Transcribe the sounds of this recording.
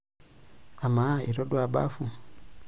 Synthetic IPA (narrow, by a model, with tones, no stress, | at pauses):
a˨ma˨˦i˨ɾɔ˦dwa˨ba̰˦fu˨